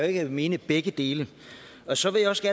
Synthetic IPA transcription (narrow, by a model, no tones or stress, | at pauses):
e̝ɡ̥me̝ːnəb̥eɡ̥əd̥e̝ːlə | ɒ̽sɒ̽ʋe̝jaɒ̽sɡ̥æ